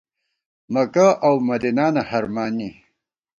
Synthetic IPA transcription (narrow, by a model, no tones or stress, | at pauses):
mɐkaʔawmɐd̪inaːnahaɾmaːni